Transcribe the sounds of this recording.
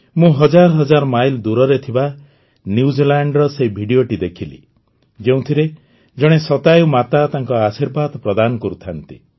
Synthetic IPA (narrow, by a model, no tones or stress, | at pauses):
mũɦɔd͡ʒaɾɔɦɔd͡ʒaɾɔmajld̪uɾɔɾet̪ʰiba | njiud͡ʒilaɳɖɾɔsebʱiɽijoʈid̪ekʰilḭ | d͡ʒeũt̪ʰiɾe | d͡ʒɔɽ̃esɔt̪ajumat̪at̪aŋkɔasiɾbad̪pɾɔd̪anɔkɔɾut̪ʰant̪i